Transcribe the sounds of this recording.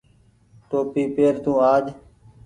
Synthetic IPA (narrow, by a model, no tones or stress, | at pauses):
ʈoːpiːpeːɾt̪ũːaːd͡ʒ